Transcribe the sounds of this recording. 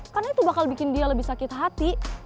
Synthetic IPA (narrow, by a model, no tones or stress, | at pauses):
karnait̪ubakalbikɪndialəbɪhsakɪt̪ɦat̪i